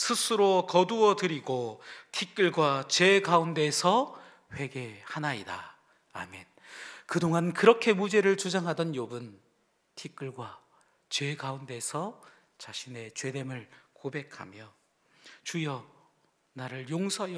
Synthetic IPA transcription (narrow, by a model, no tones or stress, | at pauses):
sʰɯsʰɯɾokʌduʌdɯɾiɡotʰik͈ɯɭɡwat͡ɕe̞ɡaunde̞sʰʌ | ɸwe̞ɡe̞hanaida̰ː | me̞n | kɯdoŋankɯɾʌkʰe̞mud͡ʑe̞ɾɯɭt͡ɕud͡ʑaŋɦadʌnjobɯn | tʰik͈ɯɭɡwa | t͡ɕe̞ɡaunde̞sʰʌ | t͡ɕaɕʰine̞t͡ɕwe̞demɯɭkobe̞kʰa̰mjʌ | t͡ɕujʌ | naɾɯɭjoŋsʰʌjʌ